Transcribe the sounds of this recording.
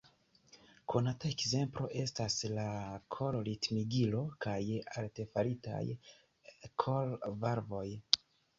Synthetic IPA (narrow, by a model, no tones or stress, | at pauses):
kʰo̞nataekze̞mplo̞ʔe̞staslakʰo̞lɾitmiɡilo̞kajalte̞faɾita̰j | kʰolvaɾvo̞j